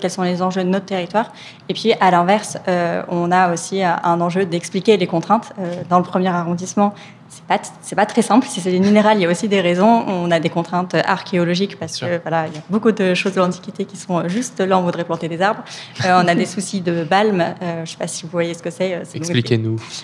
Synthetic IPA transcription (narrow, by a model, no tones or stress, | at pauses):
kʲɛlsɔ̃lezɑ̃ʒød̪ənɔt̪χt̪eʁit̪waːʁ | epɥiʔalɛ̃vɛʁsøɔ̃naosiəʔɛ̃nɑ̃ʒød̪ɛksplikʲelekɔ̃t̪χɛ̃t̪ød̪ɑ̃ləpχəmjɛʁaʁɔ̃d̪ismɑ̃ | sɛ̥pasɛpat̪χɛsɛ̃plsis̬ɛd̪emineʁaliljaosid̪eʁezɔ̃ɔ̃nad̪ekɔ̃t̪χɛ̃t̪øʔa̰ʁkʲeɔlɔʒikpaʁsə̥kəvwalailjabokud̪əʃozd̪əlɑ̃t̪i̥kʲit̪ekʲisɔ̃øʒyst̪laɔ̃vud̪ʁɛplɑ̃t̪ed̪ezaʁbʁøɔ̃nad̪esusid̪əbalmøʒəsɛ̥pasi̥vuvwajesə̥kəsɛøsɛ̃likenu